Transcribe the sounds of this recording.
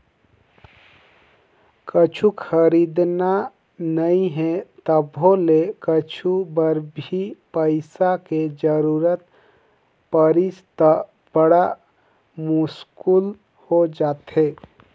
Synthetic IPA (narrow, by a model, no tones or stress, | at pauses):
kət͡ʃʰukʰəɾid̪na | nəĩɦɛ̃t̪əbɦolekət͡ʃʰubəɾbʱipəɪsaked͡ʒəɾuɾət̪ | pəɾist̪ə | b̥əɽa | muskul | hod͡ʒat̪ɦe